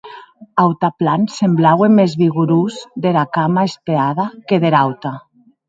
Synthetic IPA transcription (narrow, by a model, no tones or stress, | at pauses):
awt̪aplansemblawemːezβiɣuɾuzðeɾakamaespeað̞akeðeɾawt̪a